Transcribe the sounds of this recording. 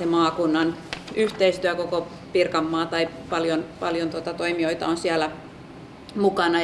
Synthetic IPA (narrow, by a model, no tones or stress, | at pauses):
emɑːkunːɑnyht̪eist̪yækoko | pirkɑmːɑːt̪ɑi | pɑljonpɑljont̪uot̪ɑt̪oimioit̪ɑ̰onsiælæ | mukɑnɑ